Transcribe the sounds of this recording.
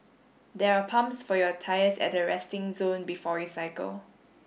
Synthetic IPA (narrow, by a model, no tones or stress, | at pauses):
dɛɹapʰãmsfɔjɔtʰajəsɛ̰t̚dəɹɛstɪ̃ŋzõnbifɔɹisaɪkə̰l